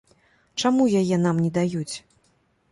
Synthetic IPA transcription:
t͡ʂamujajɛn̪amnʲɛd̪ajut͡sʲ

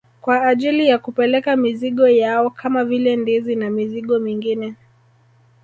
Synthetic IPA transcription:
kwaːʄilijakupɛlɛkamiziɠɔjaɔkʰamavilɛndizinamiziɠɔmiŋɡinɛ

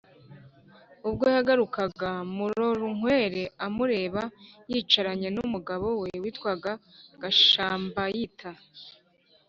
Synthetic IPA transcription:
ub̚ɡojaɡaɾukaɡamuɾoɾuŋ̥we̞ːɾe̞amuɾe̞ːβajit͡ʃaɾaɲe̞numuɡaβo̞we̞wiːtwaɡaɡ̥aʃaːmbajitʰa

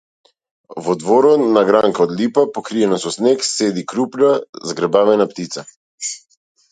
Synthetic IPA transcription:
vɔd̪vɔɾɔnaɡɾaŋkaɔd̪lipapɔkɾijɛnasɔsneksed̪ikɾupnazɡɾɛbavɛnapt̪it̪sa

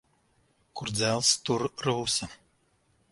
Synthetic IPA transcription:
kuɾd̪zælˠst̪uɾːuːsɐ

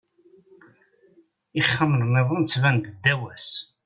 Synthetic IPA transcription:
iχːəmlnɪðˤont͡sːvænd̪əd̪ːæwæs

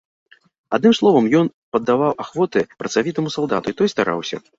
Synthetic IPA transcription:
ad̪nɨmslˠɔvɐmjɔnpɐd̪ːavawʔaxvɔt̪ɨpɾɐt̪savʲit̪ɐmusalˠd̪at̪uit̪ɔjst̪aɾa̰wsʲɐ̰

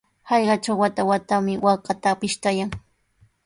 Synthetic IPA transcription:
hɑjɢɑʈ͡ʂawwat̪awat̪amɪwɑqɑt̪apɪʃt̪ajaŋ

